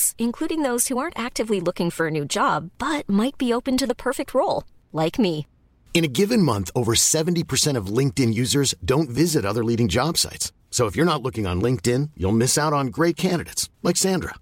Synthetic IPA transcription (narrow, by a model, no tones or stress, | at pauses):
sɨ̃nkʰl̥uɾɪ̃ŋðoʊz̥huɑ̃ɹntæk̚tɨvlilʊkɪ̃ŋfə˞ɨnʉd͡ʒɑb̥ːʌt̚maɪt̚b̥ioʊpɨ̃ntɨðəpʰɜ˞fɨk̚t̚ʰɹoʊlˠ | laɪkmi | ɨ̃ñɨɡɪvɨ̃nmʌ̃nθoʊvə˞sɛṽn̩tipʰə˞sɛ̃ɾ̃ʌvlɪ̃ŋk̚tɪ̃njʉzə˞zdõʊ̃ntvɪzɨɾʌðə˞liɾɪ̃ŋd͡ʒɑb̥sa̰ɪtsː | oʊəfjə˞nətˡlʊkɪ̃ŋə̰̃nlɪ̃ŋk̚tɪ̃njṵlˠmɪsaʊɾn̩ɡɹeɪt̚kʰæ̃ndɨɾeɪtslaɪksæ̃ndɹə̰